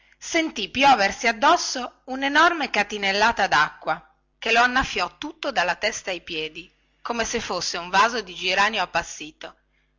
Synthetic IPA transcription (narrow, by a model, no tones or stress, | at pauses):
sent̪ipjɔːversiad̪ːɔsːounenɔrmekat̪inelːaːt̪ad̪akːwa | keloanːafːjɔt̪ːut̪ːod̪alːat̪ɛst̪aajpjɛːd̪i | koːmesefːosːeuɱvaːzod̪id͡ʒiɾaːnjoapːasːiːt̪o